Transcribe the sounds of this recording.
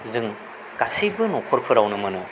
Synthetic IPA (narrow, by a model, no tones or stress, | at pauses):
zɯŋ | ɡ̥asibɯnɔkʰɔɾpʰɯɾawnɯmɯnɯ